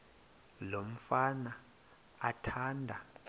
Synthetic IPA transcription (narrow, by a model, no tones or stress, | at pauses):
lom̩fana | atʰaːndʱa